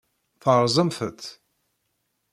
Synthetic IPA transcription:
θəɾˤzˤəmfə̰t̪

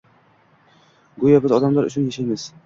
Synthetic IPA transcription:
ɡʊjabɪzɒd̪amlaɾʊ̰t͡ʃʰʊnjaʃajmɪz̥

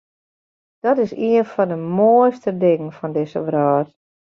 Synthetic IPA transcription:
d̥ɔtɪsiənfɔndəmojstədɪŋənfɔndɪsə̰ʋrɔːt

